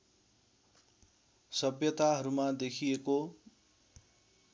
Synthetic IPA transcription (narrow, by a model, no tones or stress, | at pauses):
sʌbjʌt̪aɦʌɾumad̪ekʰijeko